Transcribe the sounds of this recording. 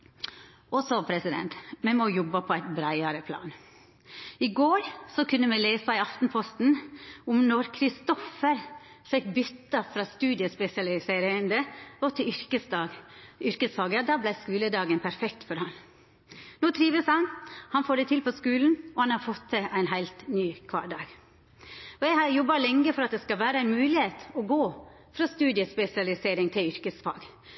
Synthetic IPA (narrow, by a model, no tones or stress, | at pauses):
ɔsɔpʰɾɛsɪd̪ɛ̰nt̪mɛmojɔbːɑpʰɔæɪt̪bɾæɪɑɾəpʰlɑ̰ːn | ɪɡoːɾsɔkʰʉnːəmɛleːsɑæɪɑft̪n̩pʰɔst̪n̩ʊmnɔɾkʰɾɪst̪ɔfəɾ | fɛkbʏt̪ːɑfɾɑːst̪ʉːd̪ɪəspɛsɪɑlɪseːɾend̪əɔt̪ʰɪʏɾkəsɑʏɾkəsfɑːɡəd̪ɑːblæɪskʉːləd̪ɑːɡənpʰæɾfɛk̚t̪fɔɾhɑn | noːt̪ʰɾiːʋəshɑnhɑnfoːɖɛɪt̪ʰɪlpɔskʉːln̩ɔhɑnhɑɾfɔt̪ːəʔæɪnɦæɪlt̪nyːkʰʋɑ̰ːɖɑːɡ | ɔjæɪhɑɾjɔbːɑlɛŋːəfɔɾɑt̪̚d̪ɛskɑʋæːɾəæɪnmʉːlɪheːt̪ɔɡoː | fɾɑst̪ʉːd̪ɪəspɛsɪɑlɪseːɾɪŋt̪ʰɪlʏɾkəsfɑ̰ːɡ